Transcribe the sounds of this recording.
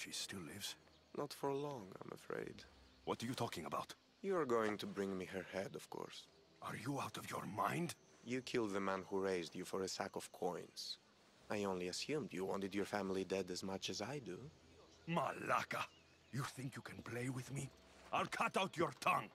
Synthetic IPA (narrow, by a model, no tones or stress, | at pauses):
ʃistɪllɪvz̥ | nʔətfəɹlɔ̃ŋã̰ɪ̃mʔə̰fɹḛɪd | wʌtəɹjɨtʰɔkɪ̃ŋəbaʊt | juəɹɡoʊɪ̃ŋtʰubɹɪ̃ŋmiɦə˞hɛdɔv̥kʰɔ̰ɹs | aɹjuaʊtʌvjə̰ɹmãɪ̃nd | jɨkʰɪlˠd̪̚ðəmæ̃nhuɹeɪzdjɨfɔɹɨsæ̰kɔv̥kʰɔ̃ɪ̃nz̥ | ajõʊ̃nliɨsjʉ̃mdjɨwɑ̃ntɨdjɔ˞fæmlˠidɛdɨzmʌt͡ʃɨzaɪdu | mala̰ka | juθɪ̃ŋkjukʰɨ̃npʰl̥eɪwɪðmi | ʔaɪlkʰʌtawtʰjɔɹt̪ʰʌ̃ŋ